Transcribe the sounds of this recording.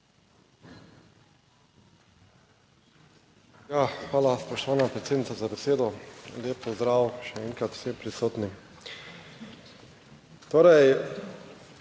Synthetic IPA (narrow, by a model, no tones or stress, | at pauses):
jaːxʋaːlaspɔʃt̪ɔʋaːnapɾet̪seːd̪nit̪sazabɛseːd̪ɔleːppɔzd̪ɾaːwʃɛɛŋkɾat̪w̥sempɾisoːt̪nim | t̪oːɾɛj